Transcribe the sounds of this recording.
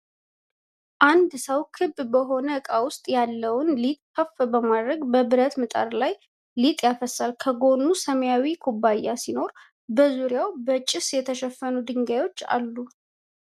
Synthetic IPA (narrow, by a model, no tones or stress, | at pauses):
ʔand̪səwkʰɨbːbəɦo̞nəkʼawʊst̪ʼjalːəwʊnlit̪ʼkʰəfːəbəmad̪ɾəɡbəbɨɾət̪mɨt̪ʼa̰ɾlaj | lit̪ʼjafəsalkʰəɡo̞nusəməjawikʰubːajasino̞ɾ | bəzuɾjawbət͡ʃʼɪsjɛt̪ʰəʃɛfːənud̪ɨŋɡajo̞t͡ʃːa̰lːu